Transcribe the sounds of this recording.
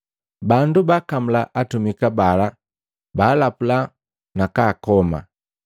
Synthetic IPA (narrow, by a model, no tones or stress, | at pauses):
bandubakam̩laʔatumikabala | baːlapula | nakaːkɔma̰